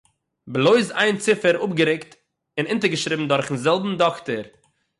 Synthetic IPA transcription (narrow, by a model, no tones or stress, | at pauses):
blˠoɪzaɪnt͡sɪfəɾʊpɡəɾɪkt | ɪnɪntəɾɡəʃɾɪbm̩dɔɾχn̩zɛlˠbm̩dɔktəɾ